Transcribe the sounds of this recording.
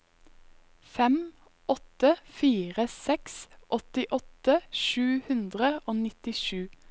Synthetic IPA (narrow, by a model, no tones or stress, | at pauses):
fɛm | ʔɔt̪əfiːʁəsɛksʔɔt̪ɪʔɔt̪əʃʉːhʉnd̪ʁəoːnɪt̪ɪʃʉː